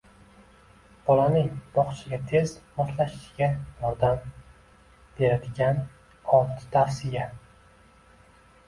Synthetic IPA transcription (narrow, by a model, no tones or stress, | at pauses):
b̥ɒlanɪŋb̥ɒχt͡ʃʰɪɡʲat̪ʰe̞zmɒt̪laʃt͡ʃɪɡʲajɒɾd̪am | b̥e̞ɾad̪ɪɡʲan | ɒlt̪ʰt̪ʰaɾsɪja